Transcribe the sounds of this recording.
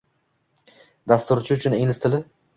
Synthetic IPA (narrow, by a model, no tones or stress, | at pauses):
d̪ast̪ʊɾt͡ʃʰɪʊt͡ʃʰʊneŋlɪst̪ʰɪlɪ